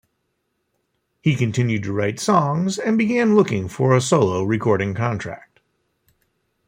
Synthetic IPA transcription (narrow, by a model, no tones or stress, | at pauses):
hikɨ̃ntʰɪ̃njʉd̚tʰɨɹaɪtsɔ̃ŋzɨ̃nbɨɡæ̃nlʊkɪ̃ŋfə˞əsoʊlˠoʊɹɨkʰɔɹɾɪ̃ŋkʰɑ̃ntʰɹ̥æ̰k̚t̚